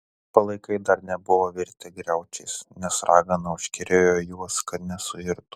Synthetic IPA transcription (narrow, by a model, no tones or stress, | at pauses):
pɐlˠɐɪkɐɪd̪ɐɾnʲɛbʊʋoːʋʲɪɾʲt̪ʲɛɡɾʲɛʊt͡ʃʲɛɪsnʲɛsɾʔɑːɡɐnɐʊʃʲkʲɪɾʲeːjoːjuɔskɐt̪nʲɛsʊɪɾt̪ʊ̥